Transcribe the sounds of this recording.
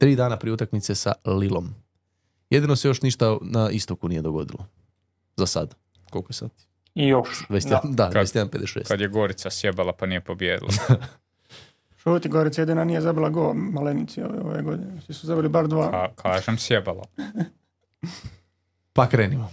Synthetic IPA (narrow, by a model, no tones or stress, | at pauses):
t̪ɾiːd̪aːnapɾieut̪akmit̪sesa̰lilˠo̞m | jed̪ino̞se̞jo̞ʃniʃt̪anaist̪okunije̞d̪oɡo̞̰d̪ḭlo | zasad̪ | kokojesad̪ | ijoʃʋesed̪aest̪jeanped̪eʃeːskad̪jeɡoɾit̪sasjebalˠapanijepobjeːd̪ḭlˠa̰ | ʃuːt̪iɡoɾit̪sajed̪inanijezabilˠaɡoːmalenit̪sio̰ʋeo̰ʋeɡod̪inesʋisuzabiɾlibaɾd̪ʋaːkʰaːʒemsjebala̰ | pakɾeːnimo